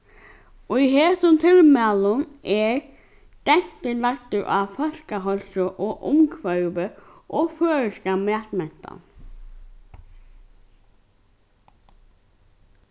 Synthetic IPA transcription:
ɔiɦeːsʊnt̪ʰɪlmæːlʊnɛɹ | d̪̥ɛɲ̥t̪əlakt̪əɹʔa̰fœl̥kaɦɔlsʊʔɔʔʊmkʰvœɥʋəʔɔføːɻəskamɛːt̪mɛn̥t̪a̰n

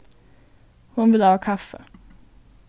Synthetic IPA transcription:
hʊnvɪlhɑːkʰafə

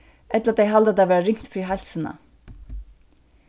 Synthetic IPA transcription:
ʔɛt̪ləɾat̪̚d̪ɛɪɦald̪əat̪aʋæːɾaɾɪŋt̪fɾiːɦajlsəna̰

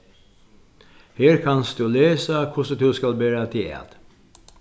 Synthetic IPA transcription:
heːɾkʰɑnsd̪ʉːleːsakʰʊʂd̪ʉːskalbæːɾat̪ʰɪɛ̰d̪̥

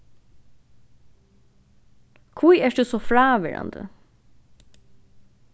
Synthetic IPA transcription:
kʰvujɛʂd̪ʉsɔfɹaːʋɛ̰ːɹa̰nd̪ə̰

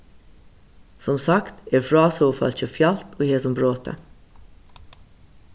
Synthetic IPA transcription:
sɔmsɑkt̪ɛːɹfɹɑːsɔfɑ̰lçəfjɑlt̪oːheːsɔmbɾoːt̪ʰə̰

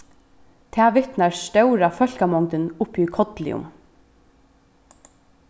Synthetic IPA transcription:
t̪ʰɛːʋɪt̪naɹst̪œwɾafœl̥kamɔŋt̪ɪnʊpikʰɔt̪lɪ̰ʊ̰m

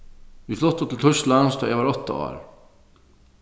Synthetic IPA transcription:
iflɔht̪ːʊt̪ʰɪlt̪ʰʊst̪lanst̪ʰaɛvaɾɔt̪ːa̰a̰ːɾ

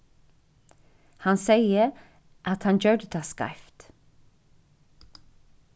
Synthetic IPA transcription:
hɑnseɪə | ʔɑt̪hɑnd͡ʒœːdət̪ʰɑskɑ̰ɪft̪

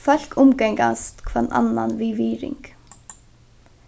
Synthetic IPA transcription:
fœl̥kʰʊmkɛŋkanst̪kʰvɛɾna̰nːanʋiːʋiːɾɪ̰ŋk

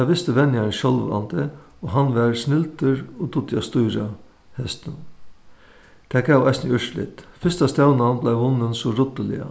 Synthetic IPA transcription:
ɑʋɪst̪əʋɛnjɑənʃɔlʋ̰ɾɑ̰nt̪əoːɦɑnʋæːɾsnɪlt̪əɾod̪ʊt̪jɑst̪uːɾɑ | hɛst̪ən | t̪ʰæːkʰɑʊɑ̰æɪsnœʂlɪ̰t̪fʏst̪ɑst̪ɑʊnnblæɪʋʊnənsɔɾʊt̪əlɪ̰ə̰

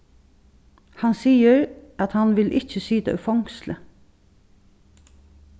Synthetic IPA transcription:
hɑnsiːəɹʔɑt̪hɑnʋɪlʔɪçəsyːt̪ə̰ʉ̰fɔŋslə̰

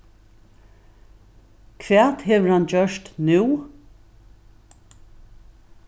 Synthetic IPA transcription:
kʰʋɛːt̪hɛːʋəɹhand͡ʒœʂt̪nʉː

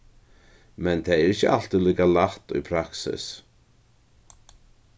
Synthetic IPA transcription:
mɛnt̪ʰaɛɾɪcəʔal̥t̪ʏliːkalaht̪ʊ̰jpʰɾaksɪ̰s

